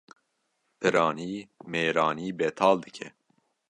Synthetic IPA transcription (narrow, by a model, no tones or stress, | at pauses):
pʰɨɾɑːniːmeːɾɑːniːbɛt̪ʰɑːld̪ɨkʰɛ